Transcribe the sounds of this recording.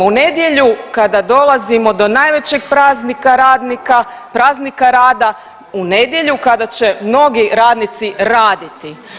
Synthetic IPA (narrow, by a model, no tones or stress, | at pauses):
une̞d̪je̞ʎukad̪ad̪o̞lˠazimo̞d̪o̞naːjʋe̞t͡ɕe̞ɡpaznikaad̪ka | pɾaːznikaɾaːd̪a | une̞d̪je̞ʎukad̪at͡ʃe̞mno̞ɡiɾaːd̪nit̪siɾaːd̪it̪i